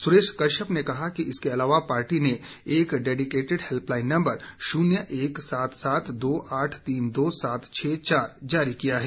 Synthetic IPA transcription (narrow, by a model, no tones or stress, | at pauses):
sʊɾeːʃkɐɾʃəpnekɐɦakiɪskeɐlaːʋapaːɾʈine | eːkɖeːɖɪkeːʈɪɖhelplaːɪ̃nːɐ̃mbəɾʃuːnjəʔeːksaːt̪ʰsaːt̪ʰd̪oːʔaːʈʰt̪iːnd̪oːsaːt̪ʰt͡ʃʰɛːt͡ʃaːɾd͡ʒaːɾikijaɦɛː